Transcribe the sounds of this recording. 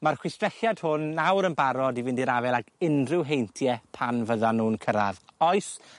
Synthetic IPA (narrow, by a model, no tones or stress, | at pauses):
marχwɪstrɛɬjad̥hʊnːawɾənbaɾɔdivɪndiɾavɛlˠaɡɪnrɪwɦejntʰjɛpʰanvəðanuːnkʰəɾaðɔɨs